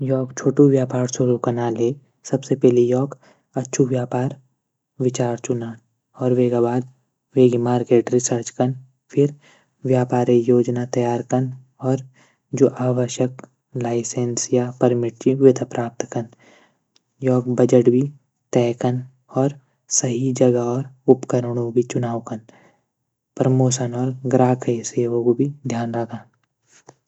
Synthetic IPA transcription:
jɔːkt͡ʃʰoːʈũʋjaːpaːɾsʊɾukɐnaːleː | sɐbsepɛɦlejɔːk | ɐtːʃʰuʋjaːpaːɾ | ʋɪt͡ʃaːɾt͡ʃʊnaː | ɔːɾʋeːɡabaːd̪ | ʋeːɡimaːɾkeːʈɾɪsəɾt͡ʃkən | pʰɪɾ | ʋjaːpaːɾejoːd͡ʒnat̪ɐjaːɾkən | ɔːɾ | d͡ʒoːʔaːʋəʃjək | laːɪsensjapəɾmɪʈ̚t͡ʃiʋɪt̪ʰəpɾʔaːp̚t̪kɐn | jɔːk̚bɐd͡ʒəʈbʱi | t̪ɛːkən | ɔːɾ | sɐɦid͡ʒɐɡaɔːɾʊpkəɾəɽ̃õbʱit͡ʃʊnaːwkən | pɾəmoːʃənɔːɾɡɾaːkʰseːʋõkobʱid̪ʱjaːnɾɐɡaː

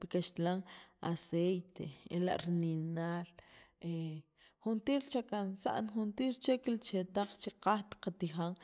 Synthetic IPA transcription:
pikaʃt̪laŋa̰sejt̪ḛela̰ʔɾninaɾe | xunt̪iːɾt͡ʃakansa̰ʔnxunt̪iːɾt͡ʃekilt͡ʃet̪aq͡χt͡ʃiqaxt̪qat̪ixaŋ

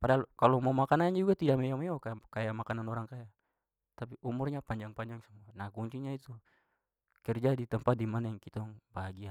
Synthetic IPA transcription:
padalkalɔmamakanaɲd͡ʒuɡat̪idaʔmɛjamajɔkakajamakananɔɾaŋkaja | t̪ap̬iʔumurɲapaɲd͡ʒaŋpaɲd͡ʒaŋsamuanaɡɔɲt͡ʃiɲait̪u | kɛrd͡ʒadit̪əmpat̪̚dimanajaŋkit̪aŋbaɦaɡia

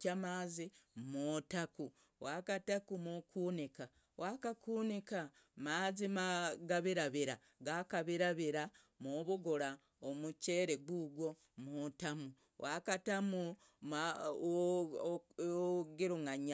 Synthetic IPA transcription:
amazimotaku | wʔakatakumokuːnika | wʔakakuːnika | mazimaɡaβiɾaβiɾa | ɡakaβiɾaβiɾa | moβuɡoɾa | omuce̞ɾeɡuɡwo̞ | mutamu | wʔakatamu | m | oɡiɾuŋaɲa

